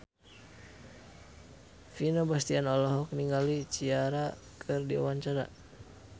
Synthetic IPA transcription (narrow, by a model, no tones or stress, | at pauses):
finobast̪ianɔlɔɦɔk̚niŋɡalit͡ʃiaɾa | kʰɨrdia̰waɲt͡ʃaɾa̰